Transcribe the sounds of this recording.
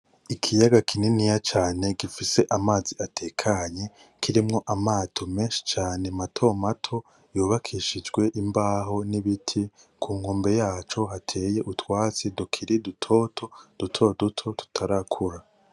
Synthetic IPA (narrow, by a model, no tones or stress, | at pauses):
ikʰijaɡakʰininijat͡ʃaːne̞ɡifiseʔamaːziatʰe̞kʰaɲe̞ | kʰiɾimŋo̞ʔamaːtʰome̞ːnʃi̥t͡ʃaːne̞matʰo̞matʰo̞ | juːβakʰiʃid͡ʒɡwe̞ʔimbaːɦo̞niβitʰi | kʰuːŋoːmbe̞jaːt͡ʃo̞ɦatʰe̞ːje̞ʔutwaːt͡sidukʰiɾidutʰo̞tʰo̞d̥utʰo̞dutʰo̞tu̥tʰaɾakʰuɾa